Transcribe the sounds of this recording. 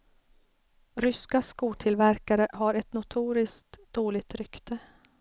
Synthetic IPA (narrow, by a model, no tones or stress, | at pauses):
ɾʏskaskuːt̪ʰɪlvæɾkaɾəɦaɾɛt̪nʊt̪ʰuːɾɪskt̪d̪̥oːlɪɡ̚t̪ɾʏkt̪ʰə